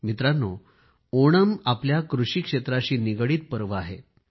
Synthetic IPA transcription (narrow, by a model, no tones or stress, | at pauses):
mit̪ɾanːo | oɽ̃əmapljakɾuɕiːkʂet̪ɾaɕiːniɡɽiːt̪̚pəɾʋəaɦḛ